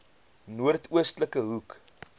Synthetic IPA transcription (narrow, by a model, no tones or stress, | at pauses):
nuərtuəstləkəɦuk